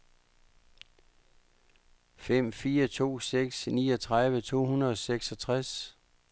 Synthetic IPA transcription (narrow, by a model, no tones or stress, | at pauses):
fem̰fiːɐt͡sʰo̝̰ːseɡ̥snḭːɒ̽t͡sʰʁɑ̈ðˠʋət͡sʰo̝̰ːhunɐðˠɒseɡ̥sɒ̽t͡sʰʁas